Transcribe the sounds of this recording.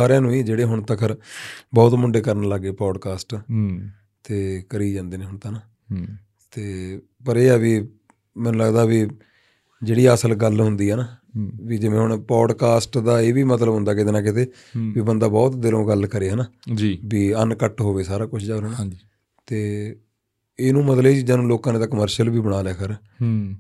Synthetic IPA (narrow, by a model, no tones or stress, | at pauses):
saːɾjãːnũːiːd͡ʒeːɽeːɦʊɳt̪əkʰəɾbɔːt̪mʊɳɖeːkəɾnləɡːeːpɾɔːɖkaːsʈ | t̪eːkəɾiːd͡ʒãːnd̪eːneːɦʊɳt̪aːnaː | t̪eː | pəɾeːɛːʋiː | mɛ̃ːnũːləɡd̪aːʋiː | d͡ʒeːɽiːəsəlɡəlɦʊnd̪iːɦɛːnaːʋiːd͡ʒɪʋẽːɦʊɳpɔːɖkaːsʈd̪aːeːʋiːmət̪ləbɦʊ̃nd̪aːkɪt̪eːnãːkɪt̪eː | ʋiːbənd̪aːbɔːt̪d̪ɪlõːɡəlkəɾeːɦɛnaːd͡ʒiʋiːənkəʈɦoːʋeːsaːɾaːkʊt͡ʃʰd͡ʒaːɾən | t̪eː | ɪnũːmət̪ləiːt͡ʃid͡ʒaːnũːloːkãːnẽːt̪aːkəməɾʃəlbiːbəɽ̃aːlɛːkʰəɾ